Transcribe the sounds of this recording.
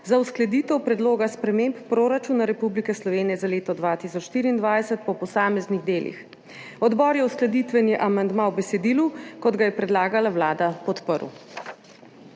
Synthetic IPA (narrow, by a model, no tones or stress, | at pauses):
zawsklɛd̪iːt̪ɛwpɾɛd̪loːɡaspɾɛmemppɾoɾat͡ʃuːnaɾɛpublikɛslɔʋeːnijɛzaleːt̪ɔd̪ʋat̪isɔt͡ʃʃt̪iːɾiːnd̪ʋajsɛt̪̚pɔpɔsaːmɛzniɣd̪eːlḭx | ɔd̪bɔːɾjɛusklɛd̪it̪ʋɛnjɛʔamand̪mãwbɛsɛd̪iːlukɔd̪ɡajɛpɾɛd̪laːɡalawlaːd̪apɔt̪pəɾṵ